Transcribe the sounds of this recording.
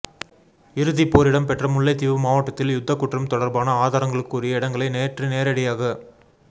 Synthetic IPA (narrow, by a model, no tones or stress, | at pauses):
ɪɾɯðipːoːɾɪɽɐmpɛʈrɐmʊɭːɐɪt̪ːɪʋɯmaːʋɐʈːɐt̪ːɪljʊd̪ʱːɐkːʊʈrɐmt̪ɔɽɐɾbaːnɐaːðaːɾɐŋɡɐɭɯkːuːrɪjɐɪɽɐŋɡɐɭɐɪneːʈrɯneːɾɐɽɪjaːɣɐ